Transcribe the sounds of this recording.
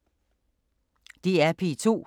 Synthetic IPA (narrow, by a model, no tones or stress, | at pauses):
d̥iæɐpʰḭt͡sʰo̝̰ː